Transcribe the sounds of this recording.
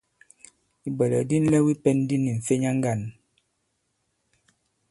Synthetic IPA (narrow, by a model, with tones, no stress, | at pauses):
i˨bə˨lə̰˨di˦n̩˦lɛ˦wi˦pɛ˦n˦di˦ni˨ɱ̩˨fe˦ɲa˦ŋ˦ɡa˦˨n